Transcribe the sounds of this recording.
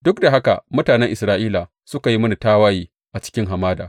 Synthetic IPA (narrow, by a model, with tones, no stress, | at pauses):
dʊ˦k̚da˨ɦa˦ka̰˨mʊ˦taː˨nɛ˦ŋʔɪ˨sɾaː˦ʔiː˦la˨ | sʊ˦ka˨ji˦mɐ˦ni˨taː˦waː˦jiː˦ | ʔa˨t͡ʃɪ̥˦kʲɪ˦ŋɦa˨maː˦da̰ː˨